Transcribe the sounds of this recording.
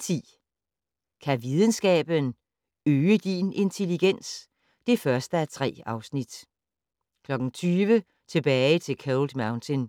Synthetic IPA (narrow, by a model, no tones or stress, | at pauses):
t͡sʰḭː | kʰæʋið̞ˠən̩sɡ̥ɛ̰ːb̥ən | øːəd̥ine̝nt͡sʰe̝liɡ̥en̰s | d̥e̝fɶɐsd̥əæt͡sʰʁɛ̰ːɑ̈ʊsnid̥ | kʰlɒ̽ɡ̥n̩t͡sʰyːʋə | t͡sʰe̝b̥ɛːɪt͡sʰe̝lkʰæld̥mɑ̈ʊnt͡sʰen